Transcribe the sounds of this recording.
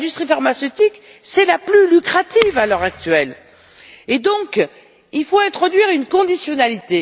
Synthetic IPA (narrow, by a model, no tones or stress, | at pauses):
d̪yst̪χifaʁmasøt̪ik | sɛlaplylykχat̪ivalœʁak̚t̪ɥɛl | ed̪ɔ̃k | ilfoɛ̃t̪χɔd̪ɥiʁynkɔ̃d̪isjɔnalit̪e